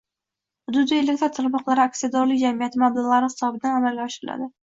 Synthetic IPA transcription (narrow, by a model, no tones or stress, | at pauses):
hʊd̪ʊd̪ielek̚ʲt̪ɾat̪ʰaɾmɒqlˠaɾɪaksijad̪ɒɾlɪk̚ʲd͡ʒamijat̪ʰɪmablˠaʁlˠaɾɪhɪ̥sɒbɪd̪anamalɡʲaɒʃɪɾɪla̰d̪ɪ